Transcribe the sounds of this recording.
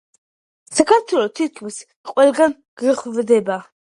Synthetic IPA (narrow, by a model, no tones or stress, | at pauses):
sakʰaɾt̪ʰwɛlɔt̪ʰykʰmis | qʼwɛlɡan | ɡ̥ɾəχvd̪ɛba